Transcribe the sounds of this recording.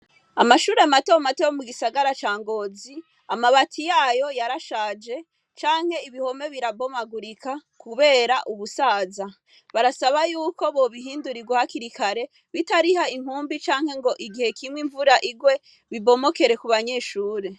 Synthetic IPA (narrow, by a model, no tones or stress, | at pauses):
amaʃuːɾeamatomatojomuɡisaɡaɾat͡ʃaːŋɡo̞ːzi | amaβatʰijaːjo̞jaɾaʃaːd͡ʒe̞ | t͡ʃaːŋ̥he̞iβiho̞me̞βiɾabo̞maɡuɾikʰakuβe̞ːɾaʔuβusaːza | βaɾasaβajuːko̞βo̞βiɦiːnduɾiɡwahakiɾikaɾe̞ | βitaɾiɦaiŋ̥huːmbit͡ʃaːŋ̥he̞ŋɡo̞ʔiɡihe̞kʰimwiɱvuɾaʔiɡwe̞ | βibo̞mo̞ke̞ɾe̞kuβaɲe̞ʃuːɾe̞